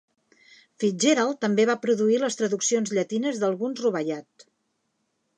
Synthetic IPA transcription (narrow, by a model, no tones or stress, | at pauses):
fid͡ʒeɾalˠt̪əmbeβ̞apɾuðuiləst̪ɾəðuksionzʎət̪inəzðəlˠɣunzruβəʎat̪